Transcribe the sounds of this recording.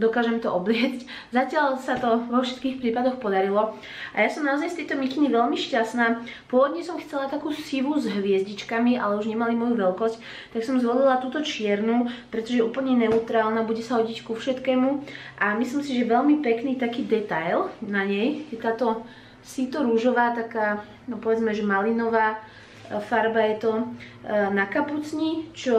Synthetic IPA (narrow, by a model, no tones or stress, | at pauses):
d̪ɔkaːʒɛmt̪ɔʔɔblɪɛd͡zc | zacɪaʎsat̪ɔʋɔfʃɛ̥t̪kiːxpɾiːpad̪ɔxpɔd̪aɾilɔ | ʔa̰jasɔmnaɔzajst̪ɛjt̪ɔmikiɲiʋɛlmiʃcasnaːpʊɔʋɔd̪ɲɛsɔmxt͡sɛlat̪akuːsiʋuzɦʋɪɛzɟit͡ʃkamia̰lɛuʒɲɛmalimɔjuʋɛlkɔsc | t̪aksɔmzʋɔlilat̪uːt̪ɔt͡ʃɪɛɾnuːpɾɛt̪ɔʒɛʔuːpl̩ɲɛnɛut̪ɾaːlnabuɟɛsaɦɔɟickufʃɛt̪kɛːmuʔamislimsiʒɛʋɛlmipɛkniːt̪akiːd̪ɛt̪ajlnaɲɛjjɛt̪aːt̪ɔ | sit̪ɔɾuʒɔʋaːt̪akaː | nɔpɔʋɛd͡zmɛʒɛmalinɔʋaː | faɾbajɛt̪ɔ | nakaput͡sɲit͡ʃɔ